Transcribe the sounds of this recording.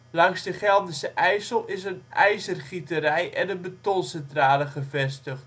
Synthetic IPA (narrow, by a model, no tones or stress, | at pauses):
lɑŋzdəχɛlˠdəsəʔɛjsəlˠɪsənɛjzərχitərɛjʔɛnəbətonsɛntraːləχəvɛstəχt